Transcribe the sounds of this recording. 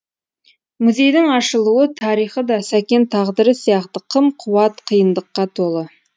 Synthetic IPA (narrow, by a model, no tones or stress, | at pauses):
mʊze̞jd̪ɪŋɑʃəlˠuət̪ʰɑɾijχəd̪ɑsækʲe̞nt̪ʰɑʁd̪əɾəsijɑqt̪əqʰəmqʰuwɑt̪qʰəjənd̪əqːɑt̪ʰo̞lˠə